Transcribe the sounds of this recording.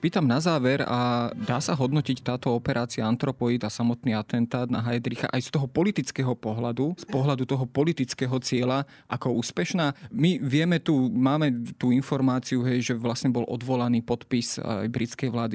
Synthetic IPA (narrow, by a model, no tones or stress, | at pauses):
piːt̪amnazaːʋɛɾa̰d̪aːsaɦɔd̪nɔcict̪aːt̪ɔɔpɛɾʔaːt͡siaant̪ɾɔpɔid̪asamɔt̪niːat̪ɛnt̪aːd̪na̰ɦajd̪ɾixa̰ʔajst̪ɔɦɔpɔlit̪it͡skɛɦɔpɔɦlad̪uspɔɦlad̪ut̪ɔɦɔpɔlit̪it͡skɛɦɔt͡sɪɛla | ʔakɔuːspɛʃnaːmiʋɪɛmɛt̪umaːmɛt̪uinfɔɾmaːt͡siuɦɛjʒɛʋlasɲɛbɔlʔɔ̰d̪ʋɔlaniːpɔt̪pisa̰jbɾit͡skɛjʋlaːd̪i